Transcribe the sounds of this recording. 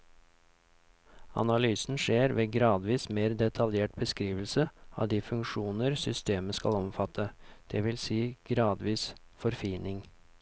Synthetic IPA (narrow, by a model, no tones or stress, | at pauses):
ɑ̰nɑlyːsn̩ʂeːɾʋeːɡɾɑːd̪ʋiːsmeːɾd̪ɛt̪ʰɑljeːʈ̚bəskɾiːʋəl̩səɑ̰ːd̪iːfʉŋkʂuːnəɾsʏst̪eːməskɑ̰lɔmfɑt̪ʰːəd̪̥ɛʋɪlsiːɡ̥ɾɑːd̪ʋiːsfɔɾfiːnɪŋ